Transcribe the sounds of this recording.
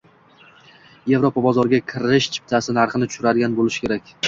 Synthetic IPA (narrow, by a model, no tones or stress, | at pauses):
je̞vɾopʰabɒzɒɾɡʲakʲʰɪɾɪʃt͡ʃʰɪ̥p̚t̪ʰasɪnaɾχɨnɪt̪ʰʊ̥ʃʊɾad̪ɪɡʲanbolɪʃkʲʰe̞ɾakʲ